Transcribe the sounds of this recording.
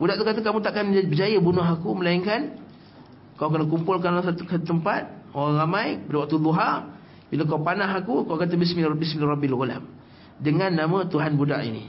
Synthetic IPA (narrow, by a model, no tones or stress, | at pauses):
budaʔt̪ukat̪akamũt̪aʔkanabəd͡ʒajəbunʊɦakuməlaiŋkan | kawk̬ənəkumpʊlk̬anas̬at̪ukət̪əmpat̪̚oɣaŋɾamajbədəwak̚t̪ud̪uɦar | bilak̬awpanaɦakukawkat̪abismibisminrɔbilɣula̰m | dəŋanːamə̃t̪uɦanbuda̰ʔḭnḭ